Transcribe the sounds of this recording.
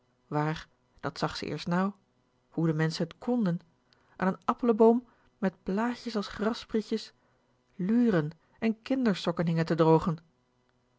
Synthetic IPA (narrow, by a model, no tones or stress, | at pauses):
ʋaːɹ | d̥ɑtsɑχsə̰ʔɪ̰ːɹstnaw | hudəmɛnsənətkʰɔndən | ʔa̰ːnənɑpələbowm | mɛt̚plaːçəsɑlˠsχrɑsbrixjəs | lyːrən | ɛnkɪndəɹstɔkənɦɪŋəntədrowχən